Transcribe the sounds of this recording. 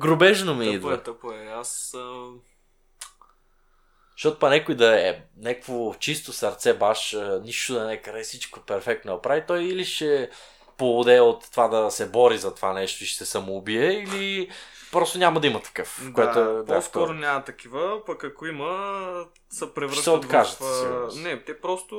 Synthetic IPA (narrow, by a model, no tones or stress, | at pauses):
ɡɾʊbɛʒnomiid̪vɐt̪əpɛas | ʃɔt̪opɐnʲɛkʊjd̪ɐɛnɛkəkvot͡ʃist̪osɐɾt̪sɛbaʃəniʃt̪oʊd̪ɐnɛkaɾɛsit͡ʃkopɛɾfɛk̚t̪nɐpɾavit̪ɔjiliʃɛ | polˠod̪ɛot̪ːovad̪ɐsɛbɔɾizɐt̪ovanɛʃt̪oiʃt̪ɛsɐmoːbiɛili | pɾɔst̪onʲamɐd̪ɐimɐt̪ɐ̥kɤfkoɛoɛɔsk̪ɔɾʊnʲamɐt̪ɐkivəpɐkɐkoimə | sɐpɾɛvɾʃəsɛot̪kaʒɐt̪sinɛt̪ɛpɾɔst̪ʊ